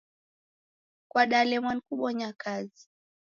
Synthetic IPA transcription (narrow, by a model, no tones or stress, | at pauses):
kwaɗalɛmwan̩kuɓɔɲakazi